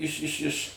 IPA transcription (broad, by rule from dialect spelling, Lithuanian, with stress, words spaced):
ˈɪʃ ɪʃ ɪʃ